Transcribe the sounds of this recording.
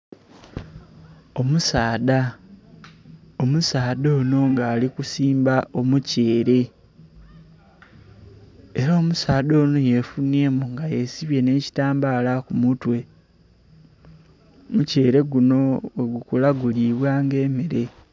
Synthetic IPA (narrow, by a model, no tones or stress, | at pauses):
o̞musaːda | omusaːdo̞ːno̞ŋɡaːlikusiːmbaʔo̞muce̞ːɾe̞ | eɾaːmusaːdo̞ːno̞je̞fune̞ːmuŋɡaje̞siβje̞ne̞ːci̥taːmbalakumutwe̞ | muce̞ːɾe̞ɡuno̞weɡukulaɡuliβwaːŋɡe̞ːmeɾe̞